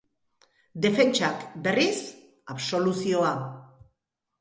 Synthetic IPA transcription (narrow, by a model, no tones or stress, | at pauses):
d̪e̞fe̞nt͡ʃakbe̞ris | aβso̞lusio̞a